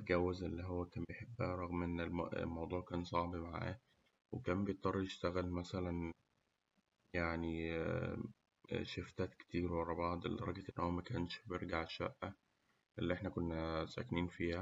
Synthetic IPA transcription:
ɡæwːezʔelːiɦowːækæːmbejeħebːæːɾˤɑɣmʔenːel̰lmɑwd̪ˤuːʕkæːnsˤɑʕbimaʕæ̰ː | wekæːmbejet̪ˤːɑrˤːɑjeʃt̪æɣælmæsælæn | jaʕni | ʃeft̪æːt̪ke̥t̪iːɾwɑɾˤɑbɑʕd̪ˤḛlːd̪ɑɾˤɑɡeʔenːhowæmækæːnʃbeɾɡaʕʃːæ̰ʔːæ | ʔelːiʔeħnækonːæsæ̰kniːnfiːhæ

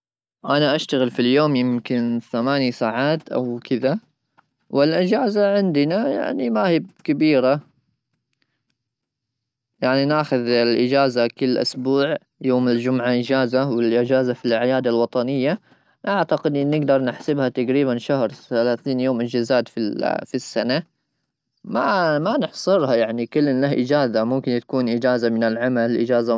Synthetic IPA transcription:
ʔanaʔaʃt̪aɣɪlfiljoːmjɪmkɪnθamaːnjsaːʕaːt̪ʔa̰wkʰɪða | wɪlʔɪd͡ʒaːzaʕɪnd̪ɪnaja̰ʕnimahɪb̚kabiːɾa | jaʕninaːxʊðɪlʔɪd͡ʒaːzakɪlːʔʊ̰sbuːʕ | joːmɪld͡ʒʊmʕaʔɪd͡ʒaːzawɪlʔɪd͡ʒaːzafilʕɪjaːd̪alwɑt̪ˤɑnɪjːa | ʔaʕt̪aqɪd̪ʔɪnːɪɡd̪ɑɾˤnɪħsɪbhat̪aɡɾiːbanʃahɾθalaːθiːnjoːmʔɪd͡ʒazaːt̪fifisːana | mamanɪħsˤɨɾhajaʕnikʊlːɪnlahʔɪd͡ʒaːzamʊmkɪnt̪ḁkuːnʔɪd͡ʒaːzamɪnɪlʕamalʔɪd͡ʒaːza

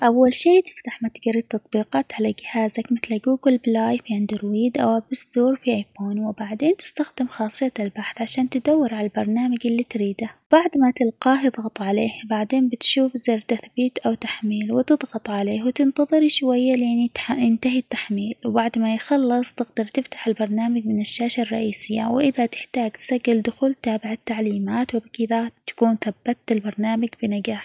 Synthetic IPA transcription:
ʔawːalʃiːt̪ɪ̥ft̪aħmat̪ɡaɾit̪ːɑt̪ˤbiːqɑːt̪ʕalaɡɪhaːzakmɪθlaɡuːɡɪlblaːjfʕɪnd̪ɪɾwiːd̪ʔawʔabɪsd̪uːɾfiʔajfoːnwɪbaʕd̪eːnt̪ɪ̥st̪axd̪ɪmxɑːsˤɨjːaɪlbaħθʕaʃaːnt̪ɪd̪awːɪɾʕalalbɑɾˤnaːmad͡ʒʔɪlːit̪ɾiːd̪ab̥aʕd̪mat̪ɪlqɑːhɨðˤɣɑt̪ˤʕaleːhbaʕd̪eːnbɪt̪ʃuːfzeːɾt̪aθbiːt̪ʔawt̪aħmiːlwɪt̪ɨðˤɣɑt̪ˤʕaleːhwt̪ɪnt̪ɑðˤɨɾiʃwajːalɪʔɪnijɪnt̪aɦit̪ːaħmiːlwbaʕd̪majxɑlːɨsˤt̪ɪɡd̪ɑɾˤt̪ɪft̪ḁħɪlbɑɾˤnaːmad͡ʒmɪnɪʃːaːʃarˤːɑ̰ʔiːsɪjːa̰wʔɪðat̪ɪ̥ħt̪aːɡt̪saɡːɪld̪ʊxuːlt̪aːbɪʕat̪ːaʕliːmaːt̪wɪbkɪðat̪ḁkuːnθabːat̪ːɪlbɑɾˤnaːmaɡbɪnɪɡaːħ

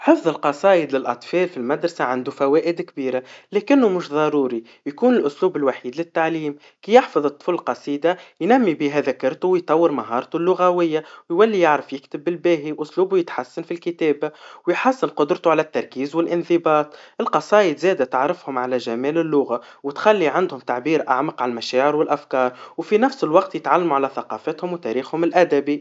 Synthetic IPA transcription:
ħəfðˤəlqɑsˤɑːʔəd̪lɪlʔɑt̪ˤfɑːlfilmæd̪ɾˤɑsaʕand̪ufæwæːʔɪd̪kbiːɾalɛːkɪnːʊmʊʃðˤɑɾuːɾi | jkuːnɪlʔʊsluːbɪlwaħiːd̪lɪt̪ːaʕliːm | kijɪħfɑðˤɨt̪ˤːfʊllqɑsˤiːd̪ajnæmːibiːɦæðækɑɾˤt̪uwjt̪ˤɑwːəɾmaɦɑːɾˤt̪ulːʊɣæwɪjːawjwælːijɪʕɾəfjɪkt̪ɪbːɪlbæːɦiʔʊsluːbujɪt̪ħasːanfilkɪt̪æːbawjħasːɪnqʊd̪ɾt̪uʕalæt̪ːɑɾˤkiːzwɪlʔɪnθɪbɑːt̪ˤʔɪlqɑsˤɑːʔəd̪zæːd̪æt̪aʕɾɪfhʊmʕalæʒæmæːlɪlːʊɣawɪt̪xælːiʕand̪hʊmt̪aʕbiːɾʔa̰ʕmɑqʕallmæʃæːʕɪɾwɪlʔæfkɑːɾˤwfinæfsɪlwɑqt̪jɪt̪ʕalːmuʕalæθɑqɑːfət̪hʊmwt̪æɾiːxhʊmɪlʔæd̪æbi

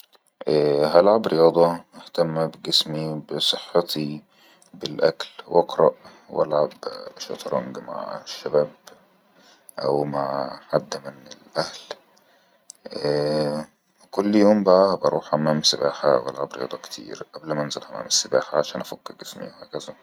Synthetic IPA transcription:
ʔæːɦælʕabɾɪjɑːd̪ˤɑɪht̪æmːbɡɪsmibɪsˤɨħːɑt̪i | bɪlʔæklwʔɑqɾˤɑʔ | wʔæ̰lʕabʃɑ̰t̪ɾˤɑ̰ŋɡma̰ʕʃːabæːb | ʔæwmaʕħad̪ːmɪnɪlʔæhl | kʊlːjoːmbaʔæbɑɾˤuːħhamːæːmsɪbaːħa̰whælʕabɾejɑ̰ːd̪ˤɑkt̪ʰḭːɾʔæblmæʔnzælhæmːæ̰ːmɪsːɪbaːħaʕaʃæːnʔæfækːɪɾɡɪsmḭwhæːkæzæ

